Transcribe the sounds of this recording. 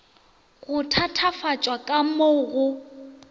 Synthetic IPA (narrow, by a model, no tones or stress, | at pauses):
ɣʊtʰatʰafat͡ʃʼwakʼamoɣʊ